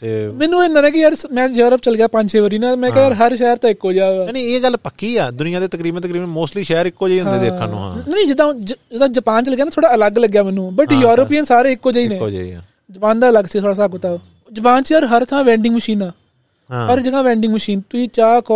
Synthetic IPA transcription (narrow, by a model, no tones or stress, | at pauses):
t̪ːmɛːnũːɪ̃nd̪aːnẽːk̬ɪjəɾsmɛ̃ːjoːɾəp̚t͡ʃəlɡjaːpə̃ɲd͡ʒeːʋəɾiːnãːmɛ̃ːkɛːaɾɦəɾʃɛːɾt̪ãːɪkːoːd͡ʒaːʋneeːɡəlpəkːiːa̰ːd̪ʊnɪjãːd̪eːt̪əkɾiːbənt̪əkɾiːbənmoːsʈliːʃɛːəɾɪkːoːd͡ʒeiːʊ̃ɦd̪ẽːd̪eːã̰ːnõ̰ːã̰ːnəĩd͡ʒɪd̪ãːd͡ʒd͡ʒɪd̪ãːd͡ʒəpaːnt͡ʃəlɡjaːnãt̪ʰoːɽaːələɡləɡjaːmɛːnũːbəʈjoːɾəpiːənsaːɾeːɪkːoːd͡ʒaːiːnẽːd͡ʒ̰ḭ | d͡ʒəpaːnd̪aːələɡsiːɡt̪ʰoːɽaːsaːkʊt̪aː | d͡ʒəpaːnt͡ʃjəɾɦəɾt̪ʰãːʋɛ̃ːɳɖɪŋɡməʃiːnaː | pəɾd͡ʒəɡãːʋɛ̃ːɳɖɪŋɡməʃiːnt̪ʊiːt͡ʃaːkː